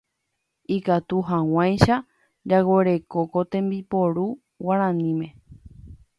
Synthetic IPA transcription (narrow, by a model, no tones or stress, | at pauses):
ikat̪uɦãw̃ãjʃa | d͡ʒaweɾe̞kokot̪ẽ̞mbipo̞ɾu | waɾ̃ãnĩmẽ̞